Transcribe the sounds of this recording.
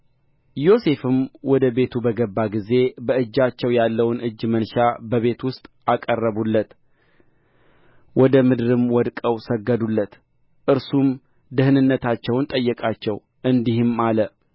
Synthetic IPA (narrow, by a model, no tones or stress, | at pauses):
jo̞se̞fɨmwɔd̪əbe̞t̪ʰubəɡəbːaɡize̞bəɨd͡ʒːat͡ʃːɛwjalːəwnɨd͡ʒːmənʃabəβe̞t̪wʊst̪ʼakʼərːəβulːət̪ | wɔd̪əmɨd̪ɨɾɨmwɔd̪kʼəwsəɡːəd̪ulːət̪ | ʔɨɾsum | d̪ɨhnɨnːət̪at͡ʃːɛwnt̪ʼəjːɛkʼat͡ʃːɛw | ʔɨnd̪ihɨmalə